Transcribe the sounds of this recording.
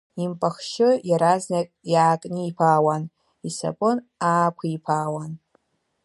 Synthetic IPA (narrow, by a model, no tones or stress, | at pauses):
impʼaχʃɪjaɾaznakʼjaːkʼniipʰaːwan | isa̰pʼɨnaːkʷʰaipʰaːwan